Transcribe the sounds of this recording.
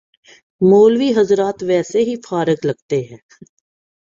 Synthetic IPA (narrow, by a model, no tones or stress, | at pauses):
moːlʋiːɦɐzɾaːt̪ʋɛːseɦifʰaːɾəɡlɐɡ̚t̪eɦɛ̃ː